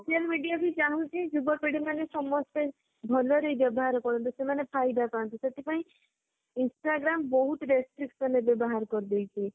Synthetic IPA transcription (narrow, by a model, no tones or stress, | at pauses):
sosijalmiɖijabʱid͡ʒaɦũt͡ʃʰid͡ʒubɔpiɽimanesɔmːɔst̪e | bʱɔlɔɾejbjɔbɔɦaɾɔkɔɾɔnt̪usemanepʰajd̪apaɔnt̪iset̪ʰipaĩ | insʈaɡɾambɔɦut̪ɾesʈɾiksɔnebjɔbɔɦaɾkɔɾid̪ejt͡ʃʰi